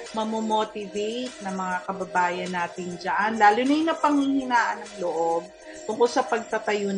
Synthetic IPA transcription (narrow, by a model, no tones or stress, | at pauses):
mɐmomoːt̪ɪvejt̪̚nɐmɐŋakɐbɐbaːjɐnːaːt̪ɪnd͡ʒɐʔanlaːlʊnɐjʊnɐpɐŋhihɪnaːʔɐnɐŋloʔob̚ | kʊŋkosɐpɐɡ̚t̪ɐt̪ɐjon